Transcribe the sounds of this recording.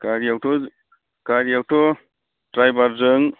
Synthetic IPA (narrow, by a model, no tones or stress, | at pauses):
kaɾiawtɔ | kaɾijawtɔ | tɾajbaɾzɯŋ